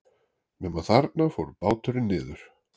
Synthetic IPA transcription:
mɛmaθaɾt̪̚nafowɾʏpaːwt̪ʏɾɪnːɪːðʏɾ̥

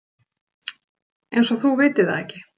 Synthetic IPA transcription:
ejnsɔθuvɪːt̪ɪa̰ðɛhcɪ̥

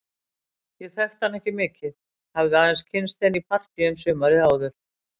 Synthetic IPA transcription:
jɛðθɛxt̪hanːɛhcɪmɪːcɪð | havðʏaːðɛnscʰɪnst̪θɛnːipʰar̥t̪iʏmsʏːmaɾɪaːwðʏɾ̥

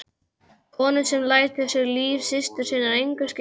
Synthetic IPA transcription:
kʰɔːnʏsɛmlaːjt̪ɪsjɛɾliːfsɪst̪ʏ̥siːnaɾejŋkʏ̥sc

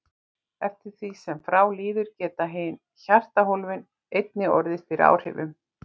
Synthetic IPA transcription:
ɛft̪ɪɾ̥θvisɛmfɾaːwliːðʏɾcɛːt̪aɦɪn | çar̥t̪aɦolvɪn | ejt̪nɪɔ̰ɾðɪstɪɾa̰ːwr̥hɪ̰vʏm

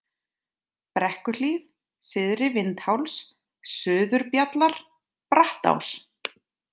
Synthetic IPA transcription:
pɾɛhkʏlið | sɪðɾɪvɪnt̪hawls | sʏːðʏɾpjat̪laɾ̥ | pɾaht̪a̰ws

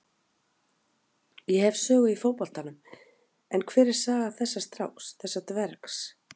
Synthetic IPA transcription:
jɛhɛvsœːɣʏifowpɔl̥t̪anʏm | ɛnkʰvɛːɾɪɾ̥saːɣaθɛsːast̪ɾa̰wxsθɛsːat̪vɛɾks

